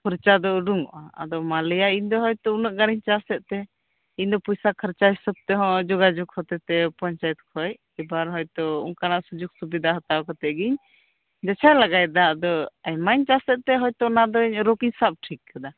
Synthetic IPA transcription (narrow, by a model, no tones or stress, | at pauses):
pɔɾt͡ʃad̪ɔuɖuŋɔ̰ʔaa̰d̪ɔmalijaiɲd̪ɔɦɔjt̪ɔunəʔɡaɾiɲt͡ʃasɛʔ̪̚t̪ɛ | iɲd̪ɔpɔjsakʰəɾt͡ʃaɦisɔb̚t̪ɛɦɔ̃d͡ʒɔɡad͡ʒuɡhɔt̪ɛt̪ɛpɔɲt͡ʃajɛt̪̚kʰɔj | ɛbaɾɦɔjt̪ɔuŋkanaʔsud͡ʒuɡsubid̪ʱaɦɔt̪akɔt̪ɛʔɡiɲ | d͡ʒat͡ʃʰajlaɡajd̪aːd̪ɔɛjmaɲt͡ʃasɛʔ̪̚t̪ɛɦɔjt̪ɔnad̪ɔiɲɾokiɲsap̚ʈʰikːad̪a